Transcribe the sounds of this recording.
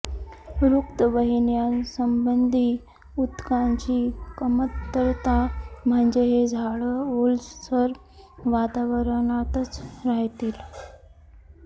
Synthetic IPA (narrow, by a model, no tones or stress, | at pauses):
ɾukt̪əʋəɦinjansəmbənd̪ʱiː | ut̪kaɲt͡ɕiːkəmət̪ːəɾt̪am̤əɳd͡zeɦed͡zʱaɭəolssəɾ | ʋat̪aʋəɾɳat̪ət͡sɾaɦt̪iːl